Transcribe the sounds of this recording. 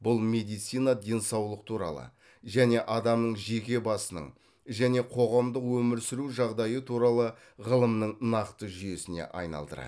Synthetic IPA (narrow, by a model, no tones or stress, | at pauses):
bʊlˠme̞d̪ijt̪sijnɑd̪ʲe̞nsɑwlˠəqt̪ʰuɾɑ̰lˠə̰ | ʒæne̞ʔɑd̪ɑmnəɴʒe̞kʲe̞bɑsənə̰ɴ | ʒæne̞qʰo̞ʁɑmd̪əqwɵmɪɾsɪɾuʒɑʁd̪ɑjət̪ʰuɾɑlˠə | ʁəlˠəmnəɴnɑqt̪əʒʏje̞sɪne̞̰ʔɑ̰jnɑ̰lˠd̪ə̰ɾɑ̰